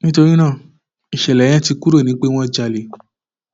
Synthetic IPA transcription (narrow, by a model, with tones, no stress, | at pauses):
nĩ˦to˧ɾi˦nãː˦˨ | i˨ʃɛ˨lɛ˨j̃ã˦ti˧ku˦ɾo˦˨nĩ˨˦k͡pe˦w̃ɔ̃˦d͡ʒa˧le˨˦